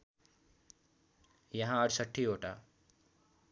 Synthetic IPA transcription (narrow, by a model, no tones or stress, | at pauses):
jʌɦãəɽsəʈʰːioʈa